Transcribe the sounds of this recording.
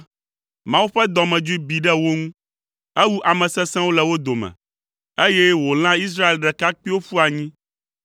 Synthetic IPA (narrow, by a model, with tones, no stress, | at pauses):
mã˦wu˦ɸɛ˦d̪ɔ˨mɛ̃˨d͡ʒu˦i˦bi˨ɖɛ˦wo˦ŋũ˦ | ɛ˦wu˦ʔa˨mɛ̃˨sɛ̃˦sɛ̃˦wo˦lɛ˨wo˦d̪o˨mɛ̰̃˨ | e˦jɛ˦wo˨l̃ã˦i˦s̬ɾa˦e˨lɖɛ˨ka˦k͡pi˦wo˦fu˦a˨ɲĩ˦